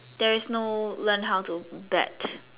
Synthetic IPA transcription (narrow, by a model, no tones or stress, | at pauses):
d̥ɛɹɪsnolə̃nɦaʊtubɛ̰t